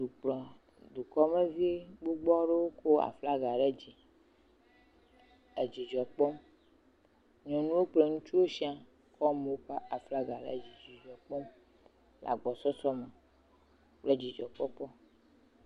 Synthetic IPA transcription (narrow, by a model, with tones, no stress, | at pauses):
ɖu˨k͡plɔ˨ | du˨kɔ˦me˦vi˦e˦ɡ͡bo˦ɡ͡bɔ˦ɖe˦wo˦ko˦a̰˨fla˦ɡa˨ɖe˦d͡ʑi˨ | e˨d͡ʑi˨d͡ʒɔ˨k͡pɔ˦m | ɲɔ̃˨nũ˦wo˦k͡ple˦˨ŋũ˦t͡ʃu˦wo˦ʃi˦a˨ | kɔ˦me˨wo˦ka˦ʔa˨fla˦ɡa˨ɖḛ˦˨d͡ʑi˨d͡ʒi˨d͡ʒɔ˨k͡pɔ˦m | lʔa̰˨ɡ͡bɔ˨sɔ˦sɔ˦me˨ | k͡ple˦d͡ʑi˨d͡ʒɔ˨k͡pɔ˦k͡pɔ˦